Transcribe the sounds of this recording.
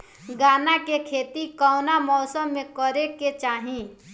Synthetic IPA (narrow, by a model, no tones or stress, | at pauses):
ɡaːnakekʰeːt̪ikaʊnamɔːsəmːẽkəɾeket͡ʃaːɦĩ